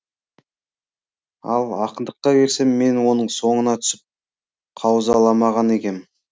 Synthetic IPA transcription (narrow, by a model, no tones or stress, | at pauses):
ɑ̰lˠɑ̰qənd̪əqːɑbe̞ɾse̞mːe̞nwo̞nəɴso̞ɴənɑt̪ʰʏ̥sɪp̚ | qʰɑwzɑlˠɑmɑʁɑne̞kʲe̞m